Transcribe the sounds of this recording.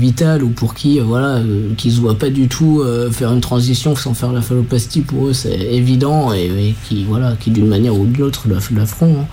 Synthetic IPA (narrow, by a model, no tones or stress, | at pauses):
vit̪alupuʁkʲiøvwalaøkʲild̪wapad̪yt̪ʰuøfɛʁynt̪χɑ̃zisjɔ̃sɑ̃fɛʁlafalopast̪ipuʁøsɛ̰evid̪ɑ̃emɛkʲʰivwalakʲid̪ynmanjɛʁud̪ynot̪χləfləfχɔ̃ɛ̃